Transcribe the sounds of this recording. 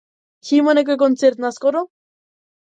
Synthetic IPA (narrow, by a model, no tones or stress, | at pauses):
ximonek̬ek̬ont͡seɾt̪naskoɾo